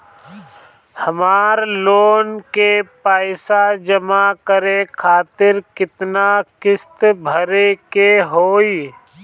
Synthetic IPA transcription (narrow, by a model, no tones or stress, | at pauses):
həmaːɾloːnkepaːɪsad͡ʒəmakəɾekʰaːt̪ɪɾkɪt̪nakɪst̪bʱəɾekeɦoːi